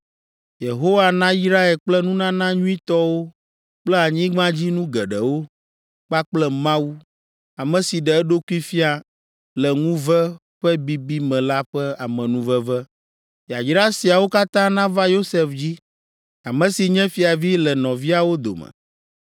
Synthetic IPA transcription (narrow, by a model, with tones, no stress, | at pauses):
je˨ɦo˦wa˨nã˦i˦sɾa˦e˨lk͡plɛ˦nũ˦nã˦nã˦ɲũ˦ĩ˦t̪ɔ˦wo˦ | k͡plɛ˦a˨ɲĩ˦ɡ͡bã˦d͡ʑi˦nũ˦ɡɛ˨ɖɛ˨wo˦ | k͡pa˦k͡plɛ˦mã˦wu˦ | a˨mɛ̃˨si˨ɖɛ˨ɛ˦ɖo˦ku˦i˦fi˦a˨ | lɛ˨ŋũ˦və˦ | ɸɛ˦bi˦bi˦mɛ̃˨la˦ɸɛ˦a˨mɛ̃˨nũ˦və˦vɛ˦ | ja˨d͡ʒɾa˦si˨a˨wo˦ka˦t̪ã˦nã˦va˦jo˦se˨fd͡ʑi˦ | a˨mɛ̃˨si˨ɲɛ̃˦fi˦a˨vi˦lɛ˨nɔ̃˨vi˦a˨wo˦d̪o̰˨mɛ̰̃˨